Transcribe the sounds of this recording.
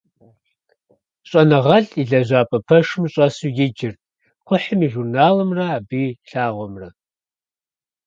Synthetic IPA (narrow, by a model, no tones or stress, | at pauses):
ɕʼɐnɐʁɐɬiɮɐʑʷaːpʼɐpʰɐʂɨmɕʼɐsujɪd͡ʒɪrtʼ | χʷʊħəmiːʒurnaːlɨmrɐaːbiːɬaːʁʷɔmrɐ